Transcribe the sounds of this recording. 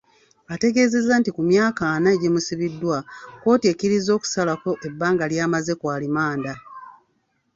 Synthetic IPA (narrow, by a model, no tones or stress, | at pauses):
ate̞ɡe̞ːze̞zːantikumjaːkaːnaeɟimusiβidːwako̞ːtekiɾizo̞ːku̥salako̞ʔe̞bːaːŋɡaljaːmaze̞kwaːlimaːnda